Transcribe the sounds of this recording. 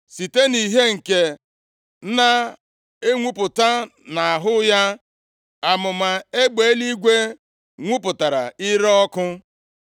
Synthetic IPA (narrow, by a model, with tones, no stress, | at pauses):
si˨te˦ni˨ɦe˦ŋ̩˨ke˨˦ | na˦ | e˦ŋʷu˦pʊ˨ta˦na˨a˨ɦʊ˦ja˦ | a˨mʊ˨ma˨e˦ɡ͡be˨˦li˦ɡʷe˦ | ŋʷu˦pʊ˨ta˨ɾa̰˨i˦ɾɔ˦kʊ˦